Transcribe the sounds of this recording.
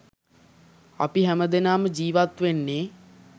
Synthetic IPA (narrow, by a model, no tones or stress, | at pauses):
a̰piɦæməd̪enaːməd͡ʒiːʋat̪ʋenːeː